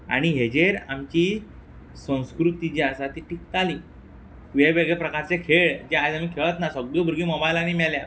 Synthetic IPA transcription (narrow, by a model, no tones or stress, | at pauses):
a̰ɽ̃iɦed͡ʑeɾamt͡ɕi | sə̃w̃skɾut̪id͡ʑiaɾsat̪iʈik̚t̪ali | ʋeʋeɡɭepɾəkaɾt͡sekʰeɭd͡ʑead͡zamiːkʰeɭət̪nasəɡɭəbʱuɾɡiːmɔbajlanimɛɭlja